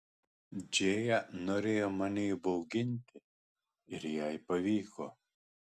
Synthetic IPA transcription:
d͡ʒʲeːjænoːɾʲeːjoːmɑnʲɛɪbɔʊɡʲɪnʲt̪ʲɪ | ɪɾjɛɪpɐʋʲiːko̰ː

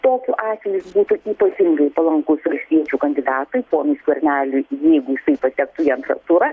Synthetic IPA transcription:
t̪oːkʲuːʔɑːtsʲʋʲɛjʊsbuːt̪ʊiːpɐt̪ʲɪŋɡɐɪpɐlˠɐŋkʊsʋɐlʲsʲt̪ʲiɛt͡ʃʲukɐnʲd̪ʲɪd̪ɑːt̪ɐɪpoːmʲɪsʲkʲuɐɾʲnʲæːlʲʊjɛɪɡʊjɪsɐɪpɐt̪ʲɛkt̪ʊiɐnt̪ɾɐ̰t̪uɾɐ

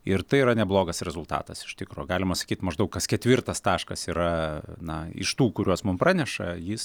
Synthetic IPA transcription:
ɪrt̪ɐɪiɾɐnʲɛblˠoːɡɐsɾʲɛzʊlˠt̪ɑ̰ːt̪ɐsɪ̥ʃʲt̪ʲɪkɾuːjɡɑːlʲɪmɐsɐ̥kʲiːt̪mɐʒd̪ɐʊkɐskʲɛt̪ʲʋʲɪrt̪ɐst̪ɑːʃkɐsiːɾɐnɐɪ̰ʃt̪uːkʊɾʲuɔsmʊmpɾɑːnʲɛʃɐ̰jɪs

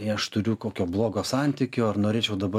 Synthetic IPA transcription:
ɐʃt̪ʊɾʲʊkoːkʲoːblˠoːɡoːsɑnʲt̪ʲɪkʲoːɐɾnoːɾʲeːt͡ʃʲɛʊd̪ɐbɐ

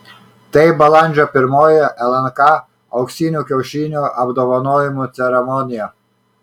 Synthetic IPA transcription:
t̪ɐɪbɐlˠɑnʲˑd͡ʒʲɔpʲɪɾmoːjɛʔɛlˠɛnkɑ | ɐʊksʲiːnʲuːkʲɛʊʃʲiːnʲoːʔɐbd̪oːʋɐnoːjɪmut̪sʲɛɾʲɛmɔnʲɪjɛ

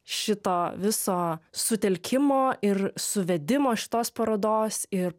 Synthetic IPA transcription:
ʃʲɪt̪oːʋʲɪsoːsʊt̪ʲɛlʲkʲʰɪmoːʔɪɾsʊʋʲɛd̪ʲɪmoːʃʲɪ̥t̪oːspɐɾɐd̪oːsɪɾ

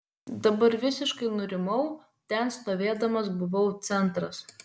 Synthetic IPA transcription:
d̪ɐbɐɾʋʲɪsʲɪʃkɐɪnʊɾʲɪmɐʊ | t̪ʲɛnst̪oːʋʲeːd̪ɐmɐs̬bʊʋɐʊt̪sʲɛnt̪ɾɐs

